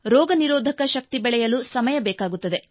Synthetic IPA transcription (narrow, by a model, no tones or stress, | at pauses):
ɾɔːɡɐniɾoːd̪ʱɐkɐʃɐk̚t̪ibɛɭɛjɐlusɐmɐjɐbɛːkaːɡut̪ːɐd̪e̞